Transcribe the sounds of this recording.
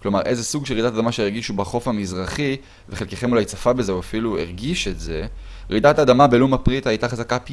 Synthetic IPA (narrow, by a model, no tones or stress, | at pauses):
klo̞maʁʔeze̞suɡʃelʁid̪atadamaʃeeʁɡiʃubaχo̞famizʁaχi | veχelkeχe̞mulajt͡safabezeuafiluḛʁɡiʃetze̞ | ʁid̪atad̪amabe̞lumapʁitajtaχazakap